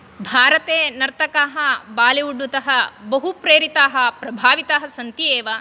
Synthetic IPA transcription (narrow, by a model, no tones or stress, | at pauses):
bʱaːɾɐt̪eːnɐɾt̪ɐkaːɦɐbaːliuɖːut̪ɐɦɐbɐɦupɾeːɾit̪aːɦɐ̆pɾɐbʱaːʋit̪aːɦɐsɐnt̪ieːʋɐ